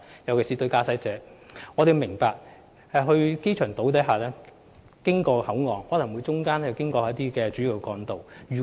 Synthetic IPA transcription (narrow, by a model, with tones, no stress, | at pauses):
jɐ˨˩wkʰe˨˩siː˨t̪ɵ˧ɥkaː˧sɐ˧˥jt͡sɛː˨˧˥ŋɔː˨˧t̪e˨jmɪ˨˩ŋpaː˧k̚ | hɐ˨ɦɵ˧ɥke˥jt͡ʃʰœː˨˩ŋt̪o˨˥wt̪ɐ˨˥jɦaː˨˩lɛː˥ | kɪ˥ŋkɔː˧hɐ˨˥wŋɔː˨ŋːɔː˨˧lɐ˨˩ŋwu˨˧jt͡sʊ˥ŋkaː˥n˥jwkɪ˥ŋkɔː˧aː˨˥t̪iː˥kɛː˧t͡ʃyː˨˥ji˨˩wkkɔː˧nt̪o˨wɥyː˨˩